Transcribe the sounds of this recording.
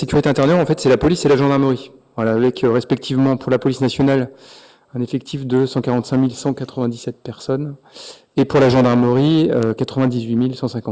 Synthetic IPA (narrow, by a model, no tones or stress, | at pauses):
sekʲyʁit̪eɛ̃t̪ɛʁnœʁɑ̃fɛt̪sɛlapɔliselaʒɑ̃d̪aʁməʁi | vwalaːvɛkʰøʁespɛk̚t̪ʰivmɑ̃pʰuʁlapɔlisnasjɔnal | ɛ̃nefɛk̚t̪ʰifd̪əsɑ̃kaʁɑ̃t̪sɛ̃milsɑ̃kat̪χəvɛ̃d̪isɛt̪̚pɛʁsɔn | epuʁlaʒɑ̃d̪aʁməʁiøkat̪χəvɛ̃d̪izɥimilsɑ̃sɛ̃kɑ̃t̪